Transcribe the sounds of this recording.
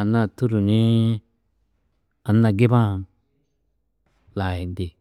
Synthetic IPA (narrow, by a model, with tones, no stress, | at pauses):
a˨nːa˦˨t̪u˦ɾu˨ni˦ | a˨nːa˧ɡe˦bã˦˨n | laː˨ji˨nd̪i˨